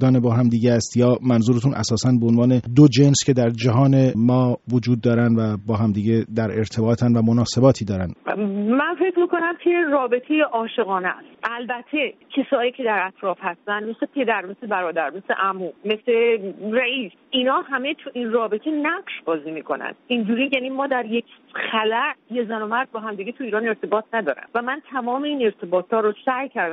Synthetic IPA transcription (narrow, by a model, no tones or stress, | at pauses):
d̪ɒːnebɒːɦæmd̪iːɟæst̪jɒːmænzuːɾet̪ʰunʔæ̰sɒːsænbeonvɒːne̞d̪od͡ʒe̞nscʰe̞d̪æɾd͡ʒæɦɒːne̞mɒːvod͡ʒuːd̪̚ːɒːɾænd̪væbɒːɦæmd̪iːɟed̪æɾe̞ɾt̪ʰe̞bɒːt̪ʰænvæmonɒːse̞bɒːt̪ʰiːd̪ɒːɾænmænfe̞cɾmiːko̞næmkʰeɾɒːbe̞t̪ʰe̞jeʔɒːʃe̞ɣɒːnæ̰st̪ʔælbæt̪ʰecʰesɒːjiːcʰe̞d̪æɾæt̪ʰɾɒːfhæst̪ænd̪mese̞pʰe̞d̪æɾme̞se̞bæɾɒːd̪æɾme̞slḛʔæmuːme̞sleræiːs | inɒːhæme̞t̪ʰuʔinrɒːbe̞t̪ʰe̞næɢʃbɒːziːmiːkʰo̞næ̰nd̪̥ind͡ʒuːɾiːjænimɒːd̪æɾje̞kʰ | xælæʔjezænomæɾd̪̚bɒːɦæmd̪iːɡet̪ʰuiːɾɒːne̞ɾt̪ʰe̞bɒːt̪ʰnæd̪ɒ̰ːɾæ̰nvæmænt̪ʰæmɒːme̞iːne̞ɾt̪ʰe̞bɒːt̪ʰhɒːɾosæjcʰæɾd̪